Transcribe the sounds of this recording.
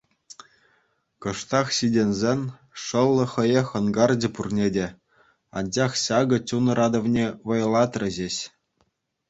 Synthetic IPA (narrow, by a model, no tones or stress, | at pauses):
kɤ̆ʂt̪ɑχɕidʲenʲzʲenʲ | ʂɤ̆lˠːɤ̆χɤ̆jɤxɤ̆nɡɑrd͡ʑɘ̆purnʲedʲe | ɑ̰nʲd͡ʑɑχɕɑɡɤ̆t͡ɕʲunɤ̆ɾʔɑd̪ɤ̆ʋnʲeʋɤ̆jɤ̆lˠɑt̪rʲɘ̆ʑeɕ